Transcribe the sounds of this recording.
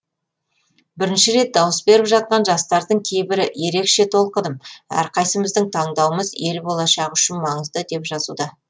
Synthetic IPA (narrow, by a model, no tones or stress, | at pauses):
bɪɾɪnʃɪɾe̞t̪̚d̪ɑwəsbe̞ɾɪpʒɑt̪̚qɑnʒɑst̪ɑɾd̪əɴkʲʰe̞jbɪɾɪje̞ɾe̞kʃe̞t̪ʰo̞lˠqəd̪əmæ̰ɾqɑjsəməzd̪ɪŋt̪ʰɑɴd̪ɑwəməze̞ɾbo̞lˠɑʃɑʁʏʃɪnmɑɴəzd̪əd̪e̞pʒɑzud̪ɑ